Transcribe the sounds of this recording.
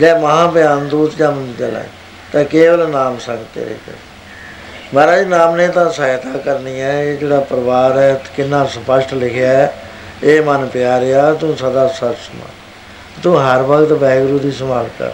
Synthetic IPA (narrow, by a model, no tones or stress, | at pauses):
d͡ʒɛːməɦãːpɪjãːnd̪uːt̪d͡ʒãːmənd̪t͡ʃəlã̰ː | t̪ãːkeːʋəlnaːmsə̃ŋɡt̪ḛːɾḛːkə̰ | maːɾaːd͡ʒiːnaːmnẽːt̪ãːsəːɪt̪aːkəɾniːɛ̃ːeːd͡ʒeːɽaːpəɾʋaːɾɛːkɪnːãːsəpəsʈlɪkʰeaɛ | eːmənpɪjaːɾɪjaːt̪ũːsəd̪aːsəbsəmã̰ː | t̪ũːɦəɾʋəkt̪bɛːɡɾuːd̪iːsəmaːlt̪a̰ː